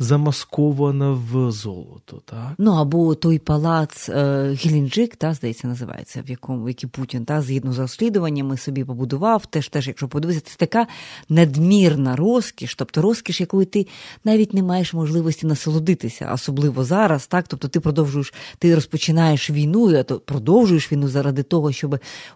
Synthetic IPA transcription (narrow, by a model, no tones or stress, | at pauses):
zɐmɐskɔʋɐnɐʋzɔ̰lˠɔ̰t̪ɔ̥t̪anuɐbɔt̪ɔjpɐlˠɑt̪sɣʲilʲind͡ʒɪkt̪ɑzd̪ɐjɛt͡sʲːɐnɐzɪʋɑ̰jḛt͡sʲːɐ̰ʋjɐkɔmʊjɐkʲiputʲint̪akzjid̪nɔzɐɾɔsʲlʲid̪ʊʋɐnʲːɐmɪsɔbʲipɔbʊd̪ʊʋɑwt̪ɛʃt̪ɛʃjɐkʃɔpɔbʊd̪uʋɪsʲɐt̪ɛt̪ɐkanɐd̪mʲirnɐɾɔskʲiʃt̪ɔp̚t̪ɔɾɔskʲiʃjɐkɔjit̪ɪnɑʋʲitʲnemɑjeʂmɔʒlˠɪʋɔsʲtʲinɐsɐlˠʊd̪ɪt̪ɪsʲɐ̰ɔ̰sɔblˠɪʋɔzɑɾɐst̪ɑk̚t̪ɔp̚t̪ɔt̪ɪpɾɔd̪ɔwʒʊjeʃt̪ɪɾɔspɔt͡ʃɪnɑjeʃʋʲijnuɐt̪ɔpɾɔd̪ɔwʒʊjeʃʋʲijnuzɐɾad̪ɪt̪ɔɦɔʃt͡ʃɔbɪ